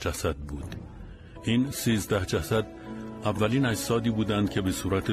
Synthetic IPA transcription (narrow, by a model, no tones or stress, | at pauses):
d͡ʒæsæd̪̚buːd̪̥ | ʔinsiːzd̪æhd͡ʒæsæd̪ | ævːæliːnæd͡ʒsɒːd̪iːbuːd̪ænd̪̥cʰe̞be̞suːɾæt̪ʰe